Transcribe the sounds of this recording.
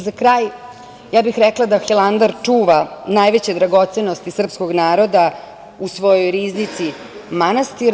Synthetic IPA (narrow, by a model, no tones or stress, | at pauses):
zakɾaːj | jaːbixɾɛklˠad̪axeland̪aɾt͡ʂuːʋanaːjʋet͡ɕed̪ɾaɡo̞t̪seno̞st̪isr̩pskoɡnaːɾo̞d̪a | usʋo̞jojɾiːznit̪si | manast̪iɾ